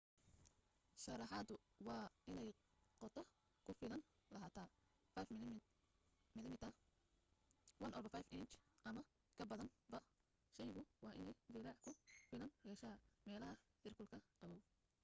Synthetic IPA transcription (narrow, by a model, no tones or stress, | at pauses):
ʃɑrɑħɑd̪ʊwɑːʔɪnɛj | qɔt̪ʰɔ | kʰʊfɪlɐn | lɐɦaːt̪ʰa | fajf | mɪlɪmɪt̪ʰɐ | wɐnʔɔbɐfajfɪnt͡ʃʔɐmɐ | kʰɐbɐðɐnbɐ | ʃɛjɣʊwɑːʔɪnɛjd͡ʒɪɾaːʕħkʰʊfɪlɐnjɛːʃɐmɛːlɐɦɐhɪrkʰʊlkʰɐqɑβɔw